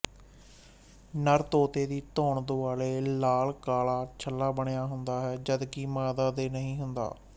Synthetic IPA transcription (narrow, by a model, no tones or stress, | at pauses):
nəɾt̪oːt̪eːd̪iːt̪ɔːɳd̪oːaːleːlaːlkaːlaːt͡ʃʰəlːaːbəɳejaːɦʊnd̪aːɦɛːd͡ʒəd̪kiːmaːd̪aːd̪eːnəɦĩːɦʊnd̪a̰ː